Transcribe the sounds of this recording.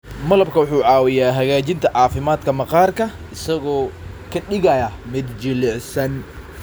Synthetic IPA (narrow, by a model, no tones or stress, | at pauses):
mɐlɐb̚kʰɐwʊħuːʕɑːwɪjaːɦɐɣaːt͡ʃɪnt̪ʰɐʕɑːfɪmaːd̪kʰɐmɐqɑːrkʰɐ | ɪsɐɣɔː | kʰɐɗɪɣɐjɐmɛd̪d͡ʒɪlɛʕsɐn